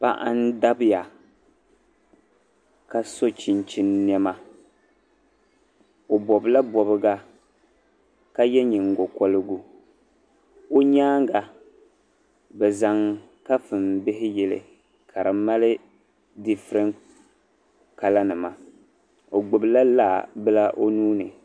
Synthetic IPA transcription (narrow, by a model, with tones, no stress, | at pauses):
pa˦ʔa˦n˦da˦bɨ˦ja˨ | ka˦so˦t͡ʃi˨nt͡ʃi˦nː˦ɛ˦ma˦ | o˨bɔ˨bla˦bɔ˨bɨ˦ɡa˦ | ka˦jɛ˦ɲɪ˨ŋ˨ɡo˨kɔ˦lɨ˦ɡu˦ | o˦ɲaː˦ŋɡa˨ | bɛ˨za˨ŋ | ka˦fɨ˨mbɪ˦ɦɪ˦jɛ˨lɪ̰˨ | kʰa˨ɾɨ˨ma˦lɪ˦ | di˦fɨ˨ɾɪ˦ŋ | ka˨la˦nɨ˨ma˨ | o˨ɡ͡bʊ˨bɨ˨la˦laː˦˨bɨ˦la˦ʔo˦nuː˦nɨ̰˨